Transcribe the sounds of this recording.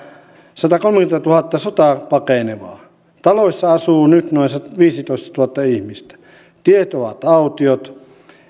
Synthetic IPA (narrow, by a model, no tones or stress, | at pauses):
sɑt̪ɑkolmeŋkymet̪æt̪uhɑt̪ːɑsot̪ɑpɑkeneʋɑ̰ː | t̪ɑloisʲːɑɑsuːnyt̪noˑinsɑʋiːsit̪oist̪ɑ̥t̪uhɑt̪ːɑihmist̪æ̥ | t̪iet̪oʋɑ̰t̪ɑut̪iot̪